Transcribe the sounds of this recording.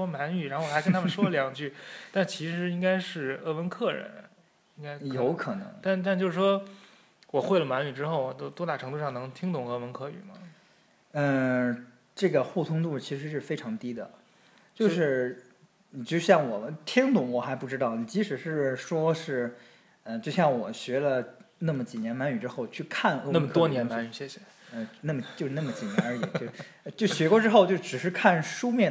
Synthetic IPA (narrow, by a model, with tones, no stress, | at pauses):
ʂwɔ˥ma˧˥ny˨˩ɻa˧˥nxo˥˩wɪknt̪ʰa˥mə˨nʂwɔ˥˩ljɑ˨˩ŋt͡ɕy˥˩t̪a˥˩nt͡ɕʰi˧˥ʂɻ̩˧˥i˥ŋka˥ɪʂɻ̩˥˩ɤ˥˩wə˧˥nkʰɤ˥˩ɻə̰˧˥˦n | i˥ŋka˥ɪjo˧˥ʊkʰɤ˨˩nɤ̰˧˥ŋt̪a˥˧nt̪a˥˧nt͡ɕjo˥˧ʊʂɻ̩˥˩ʂwɔ˥ | wɔ˨˩xwe˥˩ɪlə˩ma˧˥ny˨˩ʈ͡ʂɻ̩˥xo˥˩ʊwɔ˨˩t̪o˥˩ʊt̪wɔ˥t̪a˥˩ʈ͡ʂʰɤ˧˥ŋt̪u˧ʂɑ˥˩ŋnɤ˧˥ŋt̪ʰi˥ŋt̪ʊ˧˨˩ŋɤ˥˩wə˧˥nkʰɤ˥˩y̰˨˩mɐ̰˦˩ | ə˥˧ | ʈ͡ʂɤ˥˩ɡə˩xu˥˩t̪ʰʊ˥ŋt̪u˥˩t͡ɕʰi˧˥ʂɻ̩˧˥ʂ̬ɻ̩˥˩fe˥ɪʈ͡ʂʰɑ˧˥ŋt̪i˥d̪ə̰˨ | t͡ɕjo˥˧ʂɻ̩˥˧˨ | t͡ɕjo˥˧ɕjɑ˥˩ŋwɔ˨˩mə˦t̪ʰi˥ŋt̪ʊ˧˩ŋwɔ˨˩xa˧˥ɪpu˥˩ʈ͡ʂɻ̩˥t̪ɑ˥˩ʊni˨˩t͡ɕi˧˥ʂɻ̩˨˩ʂɻ̩˥˩ʂwɔ˥ʂɻ̩˥˩ | ə˥˧t͡ɕjo˥˧ʊɕjɑ˥˩ŋwɔ˨˩ɕɥɛ˧˥lə˧na˥˩mə˩t͡ɕi˨˩njɛ˧˥nma˧˥ny˨˩ʈ͡ʂɻ̩˥xo˥˧ʊt͡ɕʰy˥˧kʰa˥˩n˧˥na˥mə˧˩t̪wɔ˥njɛ˧˥nma˥y˨˩ɕjɛ˥˩ɕjɛ˧˩ | ə˧˥˧na˥˩mə˩t͡ɕjo˥˧ʂɻ̩˥˧na˥˩mə˩t͡ɕi˨˩njɛ˧˥nə˞˧˥i˨˩˦t͡ɕo˥˧ʊ˥˧ | t͡ɕjo˥˩ʊɕɥɛ˧˥kwɔ˥˧ʈ͡ʂɻ̩˥xo˥˧ʊt͡ɕjɻ̩˥˩ʈ͡ʂɻ̩˨˩ʂɻ̩˥˧kʰa˥˩nʂu˥mjɛ˥˩